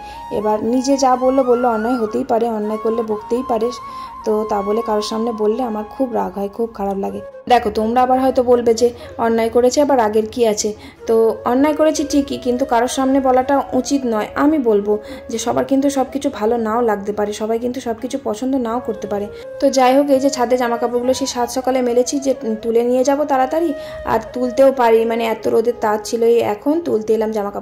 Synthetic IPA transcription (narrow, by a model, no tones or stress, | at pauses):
ḛbaɾnid͡ʑed͡ʑabolːobolːoɔnːaeɦot̪ejpaɾeɔnːaekolleboɡt̪ejpaɾe | t̪ot̪abolekaɾoɾʃamnebolːeamaɾkʰubɾaɡʱɦɔekʰub̚kʰaɾablaɡe | d̪ɛkʰot̪omɾaabaɾɦɔet̪obolbed͡ʑe | ɔnːaekoɾet͡ɕʰeɛbaɾaɡeɾkiat͡ɕʰe | t̪oɔnːaekoɾet͡ɕʰiʈʰikːikint̪̬ukaɾoɾʃamnebɔlaʈaut͡ɕit̪nɔeʔamibolbo | d͡ʑeʃɔbajkint̪̬uʃɔb̚kit͡ɕʰubʱalonaolaɡ̚t̪epaɾeʃɔbajkint̪uʃɔb̚kit͡ɕʰupɔt͡ɕʰond̪onaokoɾt̪epaɾe | t̪od͡ʑaeɦok̬ejd͡ʑet͡ɕʰad̪ed͡ʑamakapoɡuloʃeʃat̪ʃɔkalemelet͡ɕʰid͡ʑeʈulenijed͡ʑabot̪aɾat̪aɾi | a̰ɾt̪ult̪eopaɾimaneɛt̪oɾod̪et̪ːat̪̚t͡ɕʰiloejɛ̰kʰont̪ult̪ejlamd͡ʑamakapo